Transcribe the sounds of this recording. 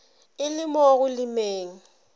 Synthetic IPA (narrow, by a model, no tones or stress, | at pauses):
ɪlɪmɔɣʊlɪmeːŋ̩